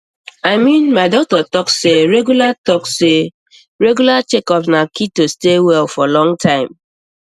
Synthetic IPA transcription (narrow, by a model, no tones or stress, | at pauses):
aɪmĩnmaɪdɔk̚tɔtɔkseɹɛɡjulatɔkse | ɹeɡjulat͡ʃekɔpnakitostewɛlfɔlɔ̃ŋtʰãɪ̃m